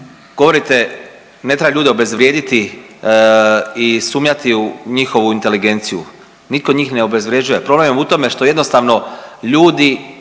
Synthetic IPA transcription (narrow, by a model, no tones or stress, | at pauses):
ɡ̥oʋo̞ɾit̪e̞ | net̪ɾebaʎuːd̪eo̞be̞zʋɾʲje̞ːd̪it̪i | isuːmɲat̪iuɲixo̞ʋuint̪e̞liɡe̞nt̪sijṵ | nit̪̚ko̞ɲiːxne̞obe̞zʋɾje̞d͡ʑuje̞pɾo̞blememut̪o̞me̞ʃt̪o̞jed̪no̞st̪aʋno̞ʎuːd̪i